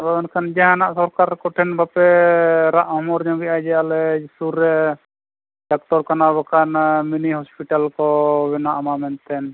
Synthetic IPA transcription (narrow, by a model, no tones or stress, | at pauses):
bɔbɔnkʰand͡ʒɛɦãnaʔsɔɾkaɾkɔʈʰɛnbapɛɾaʔhɔmɔɾd͡ʒɔ̃ɡɛajd͡ʒɛalɛsuɾɛ | ɖak̚ʈɔɾkanaβɔkʰanminiɦɔspiʈalkɔbɛnaʔamamɛnt̪ɛn